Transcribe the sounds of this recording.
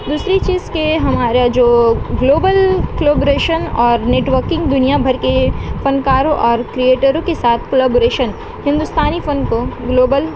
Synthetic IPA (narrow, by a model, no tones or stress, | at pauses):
d̪uːsɾit͡ʃiːzkeɦɐmaːɾad͡ʒoːɡloːbəlkloːboɾeːʃənɔːɾneːʈʋəɾkɪ̃ŋɡd̪ʊnijabʱɐɾkefɐnkaːɾõʔɔːɾkɾieːʈəɾõkesaːt̪ʰkolaːboɾeːʃən | hɪ̃nd̪ʊst̪aːnifə̃nkoɡloːbəl